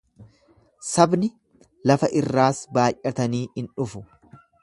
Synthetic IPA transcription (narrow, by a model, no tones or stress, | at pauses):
sɐbnɪ | lɐfɐʔɪrːaːsbaːjʔɐt̪ɐniːhɪnᶑʊfʊ